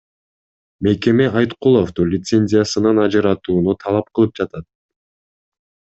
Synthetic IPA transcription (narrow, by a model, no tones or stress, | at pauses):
me̞ke̞me̞ʔɑjt̪qulˠofd̪ulʲɪt̪se̞nʲzʲɪjasɯnɑnɑd͡ʒɯɾɑt̪uːnut̪ʰɑlˠɑp̚qɯlˠɯp̚d͡ʒɑt̪ɑt̪̚